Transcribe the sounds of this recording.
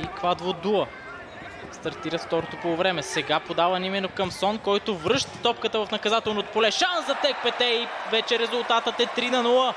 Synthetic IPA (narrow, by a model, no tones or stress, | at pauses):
ikvad̪vod̪uə | st̪ɐɾt̪iɾət̪ft̪ɔɾot̪opovɾɛmɛsɛɡapod̪avɐnimɛnokɐmsɔnkɔjt̪ovɾɤʃt̪t̪ɔpkət̪əvɐfnɐkɐzat̪ɛlˠnot̪polɛʃanszɐt̪ɛk̚pɛt̪ɛivɛt͡ʃɛɾɛzʊlˠt̪at̪ət̪ɛt̪ɾinɐnulˠə